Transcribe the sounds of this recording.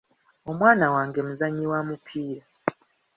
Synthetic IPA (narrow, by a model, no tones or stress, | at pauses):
o̞mwaːnawaːŋɡemuzaɲːiwamupʰiːɾa